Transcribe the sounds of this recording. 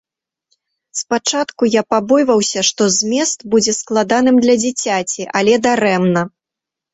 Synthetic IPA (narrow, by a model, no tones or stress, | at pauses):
spat͡ʂat̪kujapabɔjvɐwsʲɐʂt̪ɔzʲmʲɛst̪bud͡zʲɛsklˠad̪an̪ɨmd̪lʲɐd͡zʲit͡sʲat͡sʲiʔalʲɛd̪aɾɛmnɐ